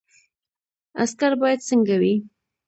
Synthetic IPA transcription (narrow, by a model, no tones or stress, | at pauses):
a̰skaɾbɑjad̪səŋɡawi